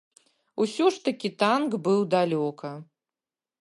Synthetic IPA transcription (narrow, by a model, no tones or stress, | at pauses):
usʲɔʂt̪ɐkʲit̪ankbɨwd̪alʲɔkɐ